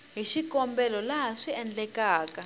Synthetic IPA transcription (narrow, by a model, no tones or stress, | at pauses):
ɦiʃikɔmbɛlɔlaɦaʂiɛnd͡ɮɛkaːka